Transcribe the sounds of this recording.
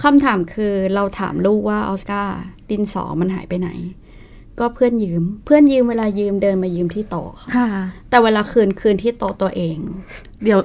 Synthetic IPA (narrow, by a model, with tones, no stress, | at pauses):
kʰa˧mt̪ʰaː˩˦mkʰɯː˧ɾa˧wt̪ʰa̰ː˩˦mluː˥˩kwaː˥˩ʔɔ̰ː˧˥skaː˥˩t̪i˧nsɔ̰ː˩˦ma˧nɦa̰ː˩˦jpa˧jna̰˨˩˦j | kɔː˥˩pʰɯ˥˩ənjɯː˧mpʰɯ˥˩ənjɯː˧mweː˧laː˧jɯː˧mdɤː˧nmaː˧jɯː˧mt̪ʰiː˥˩t̪ɔ̰ː˨˩kʰa˧˩a˧˩t̪ɛː˨˩weː˧laː˧kʰɯː˧nkʰɯː˧nt̪ʰiː˥˩t̪o˨˩t̪u˧ɐʔeː˧ŋ | di˨˩˦w